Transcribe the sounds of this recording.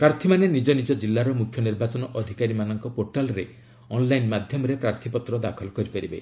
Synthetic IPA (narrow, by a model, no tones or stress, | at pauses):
pɾaɾt̪ʰimanenid͡ʒɔnid͡ʒɔd͡ʒilːaɾɔmukʰjɔniɾbat͡ʃɔnɔʔɔd̪ʱikaɾimanɔŋkɔpoɾʈalɾe | ɔnlajnmad̪ʱjɔmɔɾepɾaɾt̪ʰipɔt̪ɾɔd̪akʰɔlɔkɔɾipaɾibḛ